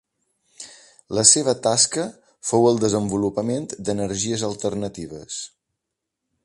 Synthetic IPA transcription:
ləseβ̞ət̪askə | fowəlˠd̪əzəmbulupəment̪d̪ənəɾʒiəzəlˠt̪ərnət̪iβ̞əs

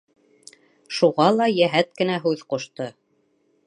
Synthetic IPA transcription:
ʃuʁɑlˠɑjæɦæt̪̚kɘ̆næɦʉðqŏʃt̪ɤ

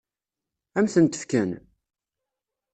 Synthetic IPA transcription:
æmθənt̪ə̥fkæn

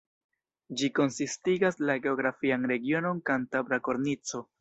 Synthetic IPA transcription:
d͡ʒiko̞nsistiɡaslaɡe̞oɡɾafianɾe̞ɡio̞no̞nkantabɾako̞ɾnit͡so̞

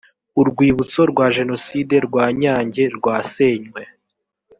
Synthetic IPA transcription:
uɾɡwiːβut͡so̞ɾɡwaːʒe̞no̞side̞ɾɡwaːɲaːɲɟe̞ɾɡwaːseːɲwe

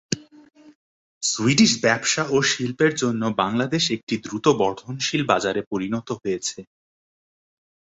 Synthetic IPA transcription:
suiɖiʃbɛbʃaʔoʃilpeɾd͡ʑonːobaŋlad̪eʃek̚ʈid̪ɾut̪obɔɾt̪ʰonʃilbad͡ʑaɾepoɾinɔt̪oɦojet͡ɕʰe

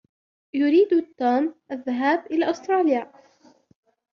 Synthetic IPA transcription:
jʊɾiːd̪t̪ːuːmʔaðːaɦaːbʔɪlaːʔʊst̪ɾˤɑːlɪjaː

